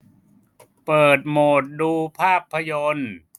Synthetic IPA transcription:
pɤː˨˩t̪̚moː˨˩t̪̚duː˧pʰaː˥˩pʰːa˧jo˧n

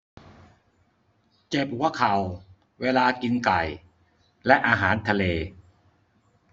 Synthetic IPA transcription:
t͡ɕe˨˩p̚hu˨˩˦ɐkʰa˨˩w | weː˧laː˧ki˧nka˨˩j | lɛ˦˥ʔaː˧ɦaː˩˦nt̪ʰa˧leː˧

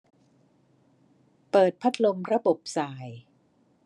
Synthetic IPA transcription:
pɤː˨˩t̪̚pʰa˦˥t̪̚ʰlo˧mɾa˧bo˨˩p̚saː˨˩j

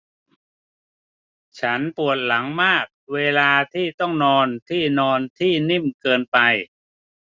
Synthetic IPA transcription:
t͡ɕʰa˦˥npu˨˩ət̪̚la˩˦ŋmaː˥˩k̚weː˧laː˧t̪ʰiː˥˩t̪ɔ˥˩ŋnɔː˧nt̪ʰiː˥˩nɔː˧nt̪ʰiː˥˩ni˥˩mkɤː˧npa˧j

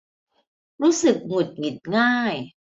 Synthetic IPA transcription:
ɾuː˦˥sɯ˨˩k̚ŋo˨˩t̪̚ŋi˨˩t̪̚ŋaː˥˩j

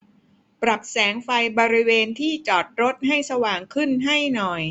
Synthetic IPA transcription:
pɾa˨˩p̚sɛː˩˦ŋfa˧jbɔː˧ɾi˦˥weː˧nt̪ʰiː˥˩t͡ɕɔː˨˩t̪̚ɾo˦˥t̪̚ha˥˩jsa˧waː˨˩ŋkʰɯ˥˩nɦa˥˩jnɔ˨˩j

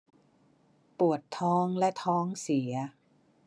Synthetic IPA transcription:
pu˨˩ət̪ʰːɔː˦˥ŋlɛ˦˥t̪ʰɔː˦˥ŋsi˩˦ɐ

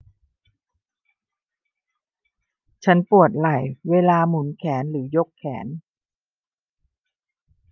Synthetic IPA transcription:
t͡ɕʰa˦˥npu˨˩ət̪̚la˨˩jweː˧laː˧mu˩˦nkʰɛː˩˦nɾɯː˩˦jo˦˥kʰːɛː˩˦n

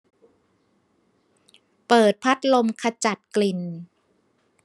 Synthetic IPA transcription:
pɤː˨˩t̪̚pʰa˦˥t̪̚lo˧mkʰa˧t͡ɕa˨˩t̪̚kli˨˩n

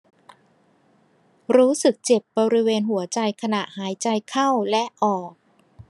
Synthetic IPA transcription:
ɾuː˦˥sɯ˨˩k̚t͡ɕe˨˩p̚bɔː˧ɾi˦˥weː˧nɦu˨˩˦ɐt͡ɕa˧jkʰa˧na˨˩ʔhaː˩˦jt͡ɕa˧jkʰa˥˩wlɛ˦˥ʔɔː˨˩k̚

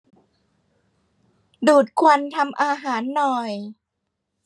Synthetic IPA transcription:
duː˨˩t̪̚kʰwa˧nt̪ʰa˧mʔaː˧ɦaː˩˦nːɔ˨˩j

